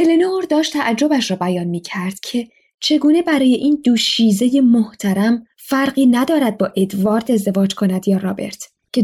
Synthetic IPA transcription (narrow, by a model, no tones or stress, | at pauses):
elenooɾd̪ɒːʃt̪ʰæʔæd͡ʒːo̞bæʃɾɒːbæjɒːnmiːcʰæɾd̪̥cʰe̞ | t͡ʃʰe̞ɡuːne̞bæɾɒːje̞ʔiːnd̪uːʃiːze̞jemoht̪ʰæɾæm | fæɾɢiːnæd̪ɒːɾæd̪̚bɒːʔe̞d̪vɒːɾt̪ʰe̞zd̪e̞vɒːd͡ʒkʰonæd̪jɒːɾɒːbe̞̰ɾt̪ʰ | cʰe